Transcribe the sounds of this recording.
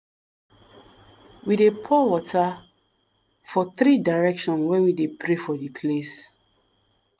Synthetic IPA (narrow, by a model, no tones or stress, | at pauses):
widepʰɔwɔtʰa | fɔθɾidaɹɛkʃɔ̃nwɛ̃widepʰɾefɔdipʰles